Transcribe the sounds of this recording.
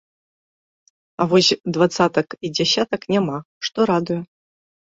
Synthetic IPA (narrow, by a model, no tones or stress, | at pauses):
avɔsʲd̪vat̪sat̪ɐkid͡zʲasʲat̪ɐknʲama | ʂt̪ɔɾad̪ujʊ